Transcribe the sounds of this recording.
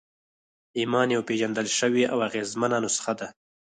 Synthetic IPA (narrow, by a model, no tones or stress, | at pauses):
imɑnjawpeʒand̪əlʃəwiawaɣezmananosə̥xad̪a